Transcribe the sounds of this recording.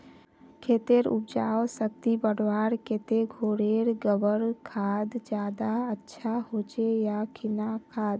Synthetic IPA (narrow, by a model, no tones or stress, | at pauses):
kʰeːt̪eɾʊ̰p̚d͡ʒaːwsəkt̪ibəɽwaːɾkeːt̪eɡʱoːɽeːɾɡəbəɾkʰaːd̪d͡ʒjaːd̪aətːʃʰahoːt͡ʃejakʰɪnakʰaːd̪